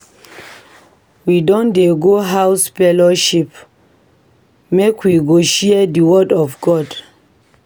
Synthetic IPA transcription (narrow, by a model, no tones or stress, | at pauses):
widɔ̃ndeɡoɦawsfɛlɔʃip | mekwiɡoʃiədiwɔdɔfɡɔd